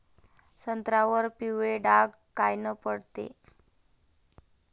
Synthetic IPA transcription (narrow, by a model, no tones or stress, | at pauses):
sənt̪ɾaʋəɾpiʋeɖaɡkajnəpəɽt̪ḛ